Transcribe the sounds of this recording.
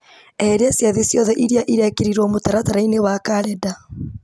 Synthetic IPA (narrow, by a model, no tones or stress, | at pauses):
eɾesjaðisjɔðɛʔiɾiaʔiɾakeɾiɾomotaɾataɾainewakaɾɛda